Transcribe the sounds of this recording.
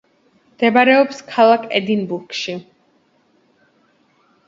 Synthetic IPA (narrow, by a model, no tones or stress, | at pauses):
md̪̥ɛbaɾɛɔpskʰalˠakʰɛ̰d̪inbuɾkʃi